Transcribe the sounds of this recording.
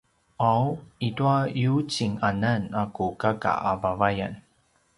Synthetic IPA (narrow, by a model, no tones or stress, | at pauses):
awituajut͡ɕiŋananakukaka̰ʔavavaja̰n